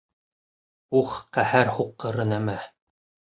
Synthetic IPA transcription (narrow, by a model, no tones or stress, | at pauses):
uχqæhæɾhuqːɤ̆ɾɤnæmæ